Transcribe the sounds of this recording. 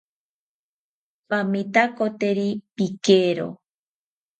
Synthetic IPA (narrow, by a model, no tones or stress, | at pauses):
pamit̪akot̪eɾipikeɾo̰